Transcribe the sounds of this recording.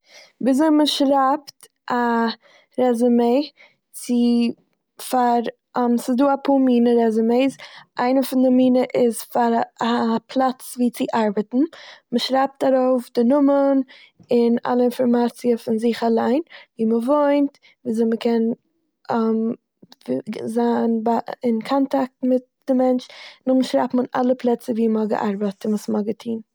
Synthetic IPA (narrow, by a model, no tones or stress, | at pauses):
biːzoɪməʃɾapt | ʔa | ɾɛzəmeɪ | t͡sɪ | faɾ | msɪsduːapʰuːmiːnəɾɛzəmeɪsʔaɪnəfɪndɪmiːnəʔɪzfaɾapʰlˠat͡sviːt͡sɪʔaɾbətn̩məʃɾaɪp̚taɾoʊfdɪnʊmən | ɪna̰lˠəɪnfɔɾmat͡siəfɪnzɪχalˠaɪnviːməvoɪnt | viːzməkʰɛn | m | zaːnbaɪnkʰɔntak̚tmɪt̚ | d̥ɪmɛnt͡ʃnʊχmʃɾa̰pm̩ɪna̰lˠəpʰlˠɛt͡səviːməhɔɡə̰ʔaɾbətɪnəsmɔɡətʰiːn